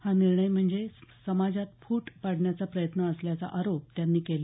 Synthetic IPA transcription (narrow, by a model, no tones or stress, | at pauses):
haniɾɳəjm̤əɳd͡zesəmad͡zat̪̚fuːʈpaɽ̤ɳjat͡sapɾəjət̪nəəsljat͡sa̰ʔaɾop̚t̪janːiːkela